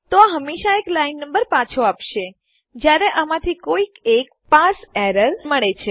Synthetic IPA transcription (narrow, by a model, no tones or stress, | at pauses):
t̪oaɦəmeʃaeklainːəmbəɾpãt͡ʃʰoapʃe | d͡ʒjaɾeʔəmãt̪ʰikoikek̚ | pasɛɾəɾməɭet͡ʃʰe